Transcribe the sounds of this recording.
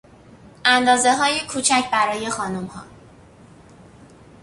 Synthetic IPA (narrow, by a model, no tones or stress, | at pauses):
ʔænd̪ɒːze̞ɦɒːjekʰuːt͡ʃʰæcʰbæɾɒːje̞xɒːnumhɒ̰ː